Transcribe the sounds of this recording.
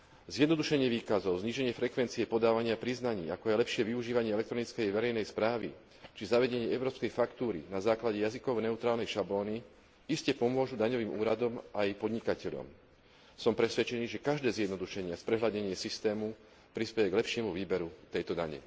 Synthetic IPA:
zjɛd̪nɔd̪uʃɛɲɪɛʋiːkazɔʊzɲiːʒɛɲɪɛfɾɛkʋɛnt͡siɛpɔd̪aːʋaɲɪapɾiznaɲiːakɔajlɛpʃɪɛʋiuʒiːʋaɲɪɛɛlɛkt̪ɾɔnit͡skɛjʋɛɾɛjnɛjspɾaːʋḭ | t͡ʃizaʋɛɟɛɲɪɛɛʊɾɔːpskɛjfakt̪uːɾḭnazaːklaɟɛjazikɔʊnɛut̪ɾaːlnɛjʃablɔːni | iscɛpɔmʊɔʒud̪aɲɔʋiːmuːɾad̪ɔmʔajpɔd̪ɲikacɛʎɔ̰m | sɔmpɾɛsʋɛt͡ʃɛniːʒɛkaʒd̪ɛːzjɛd̪nɔd̪uʃɛɲɪɛspɾɛɦladɲɛɲɪɛsist̪ɛːmu | pɾispɛjɛɡlɛpʃɪɛmuʋiːbɛɾut̪ɛjt̪ɔd̪a̰ɲɛ̰

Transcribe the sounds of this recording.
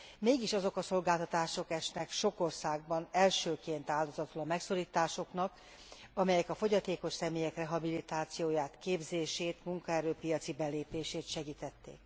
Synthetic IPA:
meːɡiʃɒzo̞kɒso̞lɡaːlt̪ɒt̪aːʃo̞kɛʃnɛkʃo̞ko̞rsaːɡ̚bɒnɛlʃøːkeːnt̪aːld̪o̞zɒt̪ulɒmɛkso̞ɾiːt̪aːʃo̞knɒk | ɒmɛjɛkɒfo̞ɟɒt̪eːko̞ʃsɛmeːjɛkrɛɦɒbilit̪aːt̪sijoːjaːt̪keːbzeːʃeːt̪muŋkɒɛɾøːpijɒt̪sibɛleːpeːʃeːt̪ʃɛɡiːt̪ɛt̪ːḛːk

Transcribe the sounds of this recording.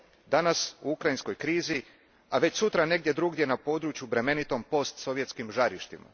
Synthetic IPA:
d̪anasuukɾajinsko̞jkɾiːzi | aʋe̞t͡ɕsut̪ɾane̞ɡd̪ʲje̞d̪ɾuɡd̪je̞napo̞ːd̪ɾut͡ʃjubɾe̞me̞nit̪o̞mpo̞st̪so̞ʋjet̪skimʒaɾiʃt̪ima̰

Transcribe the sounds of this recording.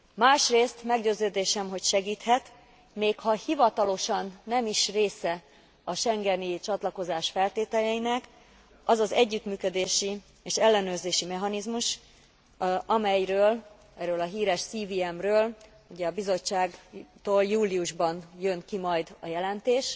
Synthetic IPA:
maːʃreːst̪mɛɡɟøːzøːd̪eːʃɛmɦo̞cʃɛɡiːt̪hɛt̪ | meːkhɒhivɒt̪ɒlo̞ʃɒnːɛmiʃreːsɛ | ɒʃɛŋɡɛnit͡ʃɒt̪lɒko̞zaːʃfɛlt̪eːt̪ɛlɛinɛk | ɒzɒzɛɟːyt̪myːkød̪eːʃi | eːʃɛlːɛnøːrzeːʃimɛɦɒnizmuʃ | ɒmɛjrøːl | ɛɾøːlɒɦiːɾɛʃsiːviɛmrøːl | uɟɛɒbizo̞t͡ʃːaːɡt̪oːljuːliuʒbɒnjø̞nkimɒjd̪ɒjɛlɛnt̪eːʃ

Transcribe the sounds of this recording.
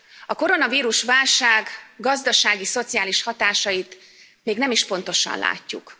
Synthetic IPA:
ɒko̞ɾo̞nɒviːɾuʃvaːlʃaːɡɡɒzd̪ɒʃaːɡiso̞t̪sijaːliʃhɒt̪aːʃɒjit̪ | meːɡnɛmiʃpo̞n̪t̪o̞ʃɒ̰nla̰ːcːuk

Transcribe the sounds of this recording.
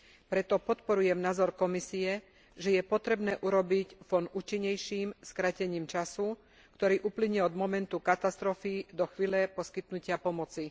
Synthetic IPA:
pɾɛt̪ɔpɔt̪pɔɾujɛmnaːzɔɾkɔmisiɛ | ʒɛjɛpɔt̪ɾɛbnɛːʔuɾɔbicfɔnuːt͡ʃiɲːɛjʃiːmskɾacɛɲiːmt͡ʃasu | kt̪ɔɾiːʔupliɲɛɔd̪mɔmɛnt̪ukat̪ast̪ɾɔfid̪ɔxʋiːlɛpɔskit̪nucɪapɔmɔt͡si

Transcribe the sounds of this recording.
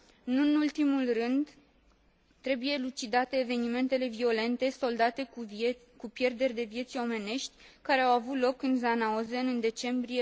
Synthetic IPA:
ɨnɨnult̪imulrɨnd̪ | t̪ɾe̞buje̞lut͡ʃid̪at̪e̞ːve̞nime̞nt̪e̞le̞vio̞le̞nt̪e̞so̞ld̪at̪e̞ | kupje̞rd̪e̞rʲd̪e̞vje̞t̪sio̞me̞ne̞ʃt̪ʲkaɾe̞awavut̪lo̞kɨnzanaozeɨnd̪e̞t͡ʃe̞mbɾie

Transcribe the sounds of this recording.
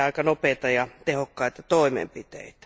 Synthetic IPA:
ɑˑikɑnopeːˑt̪ɑjɑt̪ehokːɑit̪ɑt̪oˑimḛmpit̪ḛit̪æ̥

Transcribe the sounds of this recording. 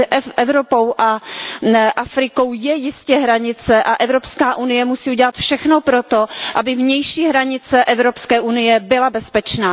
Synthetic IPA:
ɛvɾopowʔa | ʔafɾɪko̞wjɛjɪscɛɦɾaɲɪt͡sɛʔaʔɛvɾo̞pskaːʔunɪjɛmusiːuɟɛlat̪fʃɛxnopɾot̪o̞ʔabɪvɲɛjʃiːɦɾaɲɪt͡sɛʔɛvɾopskɛːʔunɪjɛbɪlabɛspɛt͡ʃnaː

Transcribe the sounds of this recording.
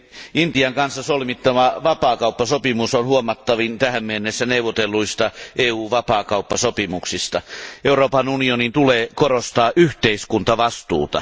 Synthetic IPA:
int̪iɑŋkɑnsːɑsolmit̪ːɑmɑʋɑpɑːkɑˑupːɑsopimusonhuomɑt̪ːɑʋint̪æhæmmenːesːæneuʋˑot̪elːuist̪ɑʔeːuːʋɑpɑːkɑˑupːɑsopimuksist̪ɑʔeuroːpɑnunionint̪uleːkorost̪ɑːʔyht̪eiskunt̪ɑʋɑst̪ṵːt̪ɑ̰

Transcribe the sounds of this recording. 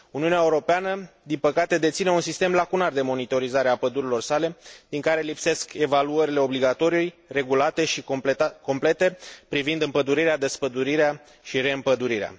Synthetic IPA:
uniuneaeuɾo̞peanəd̪inpəkat̪e̞d̪e̞t̪sine̞unsist̪e̞mlakunard̪e̞mo̞nit̪o̞ɾizaɾeapəd̪uɾilo̞rsale̞d̪̥iŋkaɾe̞lipse̞ske̞valuəɾile̞o̞bliɡat̪o̞ɾiujre̞ɡulat̪e̞ʃiko̞mple̞t̪e̞pɾivind̪ɨmpəd̪uɾiɾead̪espəd̪uɾiɾea | ʃiɾe̞ɨmpəd̪uɾiɾea̰

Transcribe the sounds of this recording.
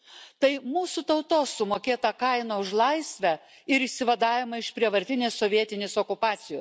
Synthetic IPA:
t̪ɐɪmuːsut̪ɐʊt̪oːsʊmoːkʲeːt̪ɐkɐɪnɐʊʃlˠɐɪsʲʋʲɛ | ɪɾɪʃʲsʲɪʋɐd̪ɑːjʲɪmɐɪʃpʲɾʲiɛʋɐɾʲt̪ʲɪnʲeːsoːʋʲiɛt̪ʲɪnʲeːsoːkʊpɑːt̪sʲɪjo

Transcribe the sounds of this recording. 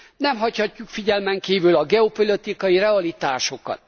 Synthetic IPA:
nɛmɦɒchɒcːukfiɟɛlmɛŋkiːvylɒɡɛo̞polot̪ikɒjirɛɒlit̪aːʃo̞kɒ̰t̪

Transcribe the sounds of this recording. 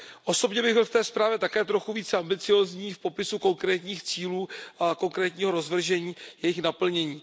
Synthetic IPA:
ʔo̞so̞bɲɛbɪɣbɪlft̪ɛːspɾaːvjɛt̪akɛːt̪ɾo̞xuviːt͡sɛambɪt͡sɪjo̞ːzɲiːfpo̞pɪsuko̞ŋkɾɛːt̪ɲiːxt͡siːluːko̞ŋkɾɛːt̪ɲiːɦo̞ɾo̞zvr̩ʒɛɲiːjɛjɪxnapl̩ɲɛɲiː

